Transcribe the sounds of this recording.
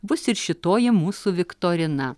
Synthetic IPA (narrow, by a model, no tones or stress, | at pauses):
bʊsɪɾʃʲɪt̪oːjɪmuːsuʋʲɪkt̪oːɾʲɪnɐ